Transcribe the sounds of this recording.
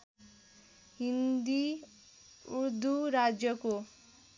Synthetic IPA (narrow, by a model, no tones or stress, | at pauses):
ɦind̪i | uɾd̪uɾad͡ʒjʌko